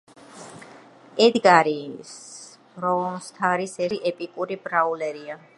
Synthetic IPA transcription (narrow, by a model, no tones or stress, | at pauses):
ɛd̪ɡaɾis | ɾɔɔmst̪ʰaɾisɛiʔɛpʼikʼuɾibɾaulɛɾia